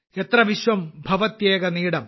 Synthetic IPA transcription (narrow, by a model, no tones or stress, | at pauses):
et̪rɐʋiɕʋɐmbʱɐʋɐt̪jeːɡɐniːɽɐm